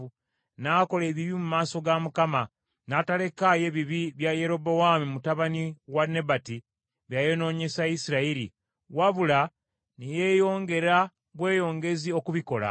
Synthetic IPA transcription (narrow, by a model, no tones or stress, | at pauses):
u | naːko̞le̞ːβiβimumaːso̞ɡamukama | natale̞kaje̞βiβiβjaje̞ɾo̞bo̞wamimutaβaniwanːe̞bati | βjajo̞no̞ːɲe̞sajisiɾaiɾi | waβula | neje̞jo̞ːŋɡe̞ɾa | βwe̞ːjo̞ːŋɡe̞zio̞kuβiko̞la̰